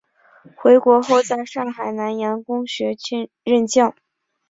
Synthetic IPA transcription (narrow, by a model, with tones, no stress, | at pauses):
xwe˧˥ɪkwɔ˧˥xo˥˧ʊt͡sa˥˧ɪʂɑ˥˩ŋxa˨˩ɪna˧˥njɑ˧˥nkʊ˥ŋɕɥɛ˧˥t͡ɕɛ˥ | ɻə˥˧nt͡ɕjɑ˥˩ʊ